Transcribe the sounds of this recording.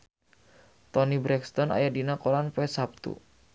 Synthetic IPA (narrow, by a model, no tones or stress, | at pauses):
t̪ɔnibɾɛkst̪ɔna̰jadinakolanpɛsap̚t̪ṵ